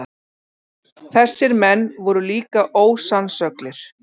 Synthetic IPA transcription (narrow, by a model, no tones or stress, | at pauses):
θɛsːɪɾmɛnːvɔɾʏliːkaʔoːwsansœklɪɾ̥